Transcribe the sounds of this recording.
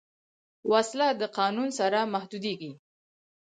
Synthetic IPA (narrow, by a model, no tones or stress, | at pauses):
waslad̪əqɑnunsaɾamahd̪ud̪eɡi